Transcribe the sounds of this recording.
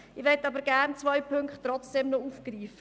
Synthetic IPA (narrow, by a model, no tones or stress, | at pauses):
ɪʋɛtːɑbəɾɡærnt͡sʋɔjpʰɵŋkχtːrɔt͡sd̥ɛmnɔufkriːfə